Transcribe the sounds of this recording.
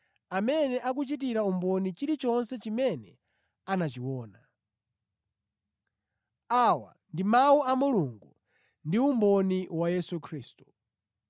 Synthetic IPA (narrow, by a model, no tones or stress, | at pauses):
amɛnɛʔak̬ut͡ʃit̬iɾaumbɔnit͡ʃiɾit͡ʃɔnsɛt͡ʃimɛnɛ | anat͡ʃiwɔːna | awa̰ | ndimawuamuluŋɡu | ndiumbɔniwajɛsukʰɾiːstu̥